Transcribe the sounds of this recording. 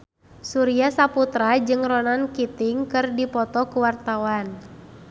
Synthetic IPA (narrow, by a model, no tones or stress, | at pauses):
suɾiasaput̪ɾad͡ʒɨŋrɔnankit̪ɪŋkɨrdipɔt̪ɔkuwart̪awan